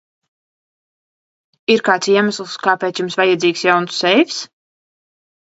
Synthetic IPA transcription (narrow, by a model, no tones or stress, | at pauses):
iɾkaːt̪siɛmaslˠskaːpɛːt̪sjumsvajɛd̪ziːksjawnsːɛjvʲs